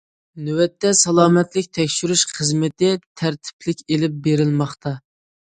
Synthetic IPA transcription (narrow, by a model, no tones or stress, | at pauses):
nywɛt̪ːɛsɑlˠɑːmɛt̪lɪkʲt̪ʰɛkʲʃyɾyʃχəzmɪt̪ɪt̪ʰæɾt̪ʰɪ̥pʰlɪkʲelɪp̚beɾɪlmɑχt̪ʰɑ